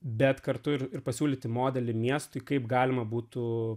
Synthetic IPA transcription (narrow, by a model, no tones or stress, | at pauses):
bʲɛt̪kɐɾt̪ʊɪɾɪɾpɐsʲuːlʲiːt̪ʲɪmoːd̪ʲɛlʲɪmʲiɛst̪ʊɪkɐɪpɡɑːlʲɪmɐbuːt̪ʊ